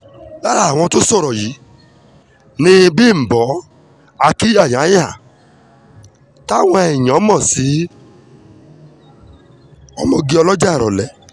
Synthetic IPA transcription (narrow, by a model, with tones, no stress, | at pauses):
la˦ɾa˦˨wɔ̃˧tʊ˦sɔ˦˨ɾɔ˨ji˨˦ | nĩ˧˦bi˦˨m̩˨bɔ˨˦ | a˧ki˦ja˦˨ɲ˨a˨˦ja˦˨ | ta˦wɔ̃˦ɛ˨ɲ˨ɔ˨˦mɔ˦˨si˨˦ | ɔ˦mɔ˦˨ɡi˦ɔ˧lɔ˦d͡ʒa˦˨ɾɔ˨lɛ˨